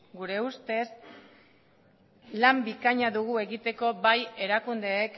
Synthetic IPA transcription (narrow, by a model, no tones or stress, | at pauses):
ɡuɾe̞ust̪e̞s | lambikaɲaðuɣ̞ue̞ɣit̪e̞ko̞βaje̞ɾakund̪e̞ːk